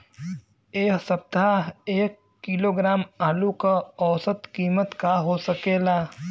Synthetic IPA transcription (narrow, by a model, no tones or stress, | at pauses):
eːksəp̚t̪aeːkːɪloɡɾaːmaːlukaɔːsət̪kiːmət̪kaɦosəkeːlaː